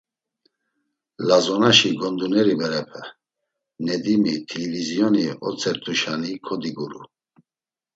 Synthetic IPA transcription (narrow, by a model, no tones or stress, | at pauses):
lazɔnaʃiɡɔnd̪unɛɾibɛɾɛpʰɛ | nɛd̪imit̪ʰilivizijɔniɔ̰t͡sʼɛɾt̪ʰʼuʃanikʰɔd̪iɡuɾṵ